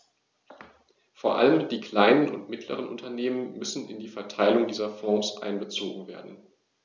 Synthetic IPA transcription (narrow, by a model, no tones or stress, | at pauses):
foːɐʔa̰ləmd̥iːkl̥aɪnənʊ̰ntmɪtʰlə̰ʁ̞ənʔʊ̰ntɐneːmənmʏsn̩ɪndiːfɛɐtʰaɪlʊŋdiːzɐfɔ̃ːsʔa̰ɪnbət͡soːɡŋ̩veːɐdn̩